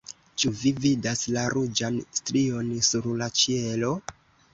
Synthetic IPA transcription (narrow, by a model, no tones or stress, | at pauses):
t͡ʃuvividaslaɾud͡ʒanstɾio̞nsuɾlat͡ʃielo̞